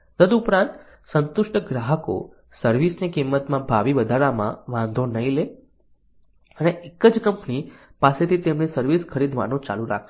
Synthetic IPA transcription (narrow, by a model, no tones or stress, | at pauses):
d̪əd̪upɾãnt̪ | sənt̪ʊʃʈəɡɾaɦəko̰ | səɾʋisnekimːət̪mãbʱaʋiʋəd̪ʱaɭamã̰ʋãnd̪ʱonəile | əneʔekəd͡ʒkəmpnipaset̪ʰit̪emnesəɾʋiskʰəɾid̪ʱʋa̰nõt͡ʃa̰luɾa̰kʰ